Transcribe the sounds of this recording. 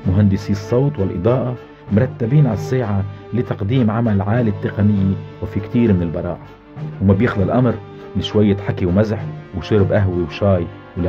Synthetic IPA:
mʊɦand̪ɪsiːsˤːɑwt̪ˤwɪlʔɨ̰d̪ˤɑːʔa | mʊɾˤɑt̪ːabiːnʕasːaːʕalɪt̪ɑqd̪iːmʕamalʕaːlit̪ːɪqanɪjːiwɪfikt̪iːɾmɪnɪlbɑɾˤɑ̰ːʔa | wmabjɪxlalʔamɾ | lɪʃwajːɪt̪ħakːiwmazħwʃʊɾbʔaɦwiwʃɑːj | wl

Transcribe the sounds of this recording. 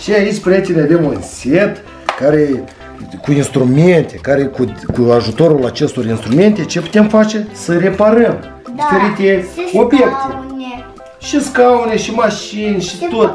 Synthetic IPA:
ʃiajit͡ʃʲpɾʲet͡ʃ̪eneavemunsʲe̞t̪ | kaɾe | kuinst̪ɾume̞nt̪e̞kaɾe̞kukuaʒut̪o̞ɾulat͡ʃe̞st̪o̞rinst̪ɾume̞nt̪e̞t͡ʃe̞pu̥t̪e̞mfat͡ʃe̞səre̞paɾəm | d̪ifeɾit̪ʲet̪sʲo̞bjekt̪e | ʃiskauneʃimaʃinʲʃit̪ot̪

